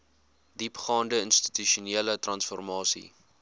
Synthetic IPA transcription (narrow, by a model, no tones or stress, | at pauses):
dipχɑːndəənsti̥tyʃuniələtrɐnsfɔrmɑːsḭ